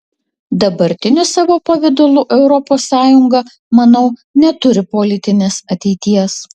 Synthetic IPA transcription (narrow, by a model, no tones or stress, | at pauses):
d̪ɐbɐɾʲt̪ʲɪnʲʊsɑːʋoːpɐʋʲɪd̪ʊlˠʊʔɛʊɾɔpoːsːɑːjʊŋɡɐ | mɐnɐʊnʲɛt̪ʊɾʲɪpolʲɪt̪ʲɪnʲeːsɐt̪ʲɛɪt̪ʲiɛs